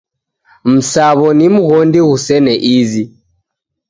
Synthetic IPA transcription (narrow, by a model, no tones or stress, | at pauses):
m̩saβɔnimuɣɔndiɣusɛnɛʔizi